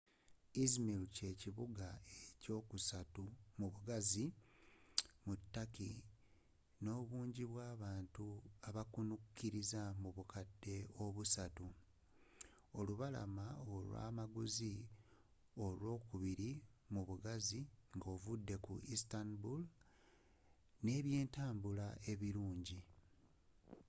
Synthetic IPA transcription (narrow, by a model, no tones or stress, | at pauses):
izmilce̞ːciβuɡaeco̞ːkusatumuβuɡazi | mutːaki | no̞ːβuːɲɟiβwaːβaːntuaβakunukːiɾizamuβukʰadːe̞o̞βusatu | o̞luβala̰maolwa̰ːmaɡuzi | o̞lwo̞ːkuβiɾi | muβuɡaziŋɡo̞ːvudːe̞kṵistanbul | ne̞ːβje̞ːntaːmbulaʔe̞βiɾuːɲɟi